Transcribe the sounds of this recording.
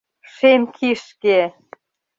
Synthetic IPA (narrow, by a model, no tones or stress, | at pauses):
ʃemkʰiʃke